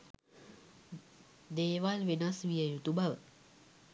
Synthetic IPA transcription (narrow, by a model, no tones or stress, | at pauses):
d̪eːʋalʋenasʋijəjut̪ubaʋə